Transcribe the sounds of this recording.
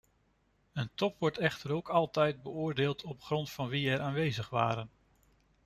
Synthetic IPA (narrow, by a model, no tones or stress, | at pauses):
əntɔpʋɔɹtɛχtəɾowkɑlˠtɛjd̚bəʊːɹdeːlˠtʰɔpχrɔntfɑnʋiɛɹʔaːnʋejzəχʋa̰ːɾən